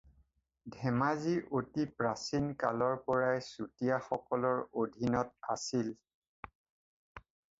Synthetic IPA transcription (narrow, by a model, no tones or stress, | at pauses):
dʱɛmaziʔotipɹasinka̰lɔɹpɔɹajsutijaxɔkɔlɔɹodʱinɔt̚asil